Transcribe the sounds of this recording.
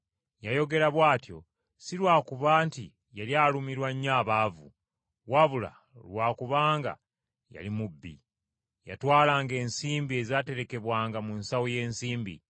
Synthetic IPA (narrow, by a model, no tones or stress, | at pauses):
jajo̞ɡe̞ɾaβwaːtjo̞̰ | silwaːkuβaːnti | jaljaːlumiɾwaɲːaːβaːvṵ | waβula̰ | lwaːkuβaːŋɡa̰ | ja̰limubːḭ | ja̰twaːlaːŋɡe̞ːnsiːmbie̞zaːte̞ɾe̞ke̞βwaːŋɡamunsawoje̞ːnsiːmbḭ